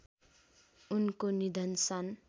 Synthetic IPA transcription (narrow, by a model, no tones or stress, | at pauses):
unkonid̪ʱʌnsʌn